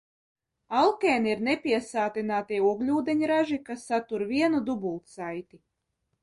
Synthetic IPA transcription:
alˠkɛːniɾnepʲiɛsaːt̪inaːt̪iuɔɡlʲuːd̪eɲɾaʒikasːat̪uɾviɛnud̪ubulˠt̪sajt̪ʲi

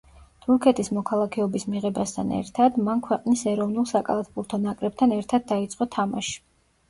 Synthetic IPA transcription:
t̪ʰuɾkʰɛt̪ʼismɔkʰalˠakʰɛɔbismiʁɛbast̪ʰa̰nɛ̰ɾt̪ʰad̪mankʰwɛqʼnisɛɾɔvnulˠsakʼa̰lˠat̪ʰbuɾt̪ʰɔnakʼɾɛb̚t̪ʰanɛɾt̪ʰad̪̚dːait̪sʼqʼɔt̪ʰama̰ʃi̥

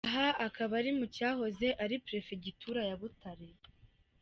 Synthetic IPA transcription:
aɦaakaβaɾimucaːɦo̞ze̞ʔaɾipɾe̞feɟitʰuɾajaβutaɾe

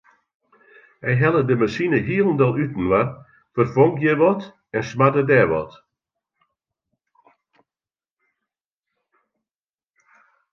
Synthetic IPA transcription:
ɛjɦɛlˠədəməsinəɦiəlˠn̩dɔlˠytn̩ʋa | fɔrfɔŋkjeʋɔt | ɛnsmadədɛːʋɔ̰t

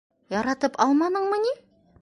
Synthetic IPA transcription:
jɑɾɑt̪əpɑlˠmɑnəɴməne

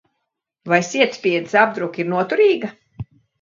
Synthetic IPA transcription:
vajsʲiɛt̪sʲpʲiɛd̪isabd̪ɾukiɾnuɔt̪uɾiːɡa

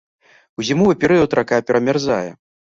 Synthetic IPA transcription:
wuzʲimuvɨpʲɛɾɨjɐwt̪ɾakapʲɛɾɐmʲarzajɛ̰

